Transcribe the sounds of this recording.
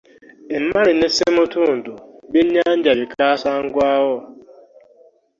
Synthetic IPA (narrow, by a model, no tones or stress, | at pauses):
ɪm̩maɾɪnesemʊtʊn̩dʊbɪɲan̩d͡ʒabɪkasaŋ̩ɡʊawɔ